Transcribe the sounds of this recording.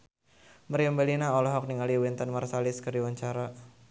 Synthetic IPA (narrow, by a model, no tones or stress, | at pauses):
məɾjɔmbɛlinaɔlɔɦɔk̚niŋaliwint̪ənmarsalɪskərdiwaɲt͡ʃaɾa